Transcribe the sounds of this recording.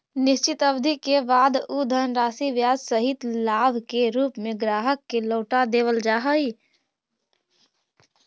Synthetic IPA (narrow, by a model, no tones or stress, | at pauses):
nɪʃt͡ʃɪt̪əbd̪ʱikebaːd̪ud̪ʱənɾaːsiʋjaːd͡ʒsəɦɪt̪laːbʱkeɾuːpmẽɡɾaːɦəkːeloːʈad̪eːʋəld͡ʒaːɦəi